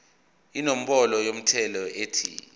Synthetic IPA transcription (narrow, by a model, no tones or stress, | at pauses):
inɔm̩ɓɔlɔjom̩tʰɛlɔeːtʰḭ